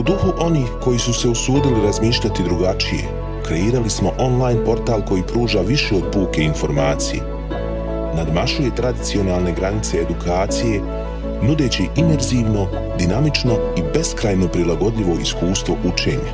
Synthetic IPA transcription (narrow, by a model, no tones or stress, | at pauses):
ud̪uxuʔo̞niːhko̞jisuse̞usuːd̪iliɾazmiːʃʎʲat̪id̪ɾuɡat͡ʃije̞̰ | kɾe̞iːɾalismo̞ʔo̞nlˠajnpo̞ɾt̪aːlˠko̞jiːpɾuːʒaʋiʃeod̪̚puːke̞info̞ɾmaːt̪sijḛ | nad̪maʃuje̞t̪ɾad̪it̪sio̞naːlˠne̞ɡɾanit̪se̞ːd̪ukʰaːt̪sije̞ | nud̪e̞ːt͡ɕiʔime̞ɾziːʋno̞ | d̪inamit͡ʃno̞ | ibe̞skɾajno̞pɾilˠaɡo̞d̪ʎiʋo̞iskuːst̪ʋo̞ʔut͡ʃe̞̰ːɲa